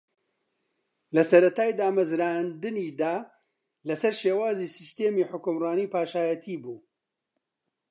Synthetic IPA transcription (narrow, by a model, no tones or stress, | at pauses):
lɐsɐɾɐt̪ʰaːjd̪aːmɐzɾaːnd̪ɨniːd̪aː | lɐsɐɾʃeːwaːzisist̪eːmiːħʊkʊmrɑːniːpaːʃaːjɐt̪ʰiːbuː